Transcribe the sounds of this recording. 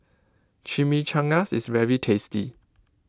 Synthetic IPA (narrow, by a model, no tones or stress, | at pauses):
t͡ʃʰimit͡ʃʰãŋasɪ̰svɛɹitʰestḭ